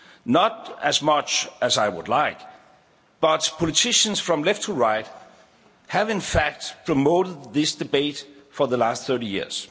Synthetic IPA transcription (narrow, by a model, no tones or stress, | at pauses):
nəɾæzmʌt͡ʃæzaɪwʊ̰dˡlaɪk | b̥ʌtpʰɔlɨtʰɪʃə̃nsfɹʌ̃mlɛftʰəɹaɪt̚ | hævɪ̃nfæk̚t̚pʰɹ̥əmoʊɾəd̪̚ðɪsd̥ɨbeɪtfɔ˞ðəlæstθɜ˞ɾijḭɹz̥